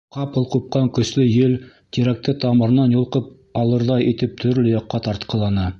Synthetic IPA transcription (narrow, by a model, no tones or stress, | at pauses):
qɑpɤlˠqup̚qɑŋkɵ̆slɵjɘl | t̪ʲiɾæk̚t̪ɘt̪ɑmɤ̆ɾnɑnjŭlˠqɤp̚ | ɑlˠɤ̆ɾðɑjit̪ɘp̚t̪ʰɵ̆ɾlɵjɑqːɑt̪ɑɾt̪qʰɤ̆lˠɑnɤ